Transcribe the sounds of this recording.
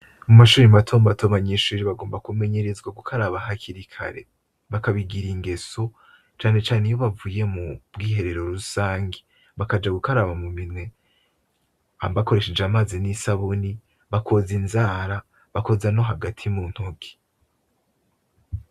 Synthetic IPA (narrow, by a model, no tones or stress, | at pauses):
umaʃuːɾimmatʰoːmbatʰoβaɲiʃuːɾiβaɡo̞ːmbakume̞ɲeɾezɡwaɡukʰaɾaβaɦakʰiɾikʰa̰ɾe̞̰ | βakaβiɡiɾiŋɡe̞so̞ | t͡ʃaːne̞t͡ʃaːnejo̞βavuːje̞mubɡiːhe̞ɾe̞ɾo̞ɾusaːŋɡe | βakad͡ʒaɡukaɾaβamuminwe̞ | abako̞ɾe̞ʃed͡ʒamaːzinisaβuni | βakʰo̞zinzaːɾa | βako̞zano̞ɦaɡatʰimuːn̥hoɡi̥